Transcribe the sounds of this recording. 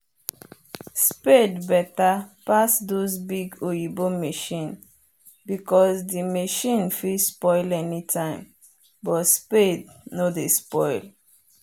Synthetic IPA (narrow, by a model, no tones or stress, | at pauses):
spedbɛtapasdozbiɡojibomeʃĩn | bikɔsdimeʃĩnfispɔɪlɛnitʰãɪ̃m | bɔtspednodespɔɪl